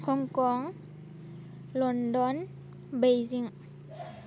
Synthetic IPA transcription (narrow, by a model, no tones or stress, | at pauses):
kʰɔŋkɔŋ | lɔndɔn | bejziŋ